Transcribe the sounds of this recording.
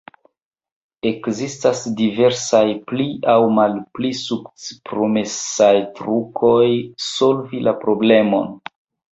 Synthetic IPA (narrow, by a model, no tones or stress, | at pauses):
e̞kzistasdive̞ɾsajpliawmalplisukt͡spɾomesajtɾukʰo̞jso̞lvilapɾo̞ble̞mo̞̰n